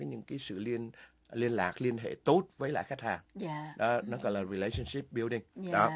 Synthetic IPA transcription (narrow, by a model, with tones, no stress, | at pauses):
ɔ˨˦ɲɨ̰˧˥ŋkaː˨˦jsɨ̰˧˨li˧ən | li˧ənlaː˨˩k̚li˧ənɦḛ˧˨t̪o˦˥t̚vəː˨˦jla̰ː˧˨xa˦˥k̚haː˨˩ŋɗɔ˨˦nɔ˨˦ɣɔ̰˧˨jlaː˨˩ɹi˨˩le˨˧˦sə˧nsi˦˥p̚ɓi˧wɗï˧ŋɗɔ˨˦